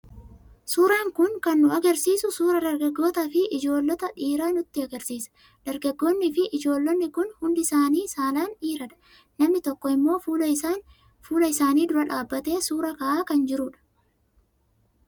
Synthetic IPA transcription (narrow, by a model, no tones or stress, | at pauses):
suːɾaːŋkʊŋkɐnːʊɐɡɐɾsiːsʊsuːɾɐd̪ɐɾɡɐɡːo̞ːt̪ɐfɪʔɪd͡ʒo̞ːlːɔt̪ɐᶑiːɾaːnʊt̪ːɪɐɡɐɾsiːsɐ̥ | d̪̥ɐɾɡɐɡːoːnːɪfɪʔɪd͡ʒo̞ːlːɔnːɪkʊnhʊnd̪ɪsaːniːsaːlaːniːɾɐᶑɐ̥ | nɐmɪt̪ɔkːɔɪmːo̞ːfuːlɐan | fuːlɐɪsaːniːd̪ʊɾɐᶑaːbːɐt̪e̞ːsuːɾɐkɐʔaːkɐnd͡ʒɪɾʊᶑɐ̥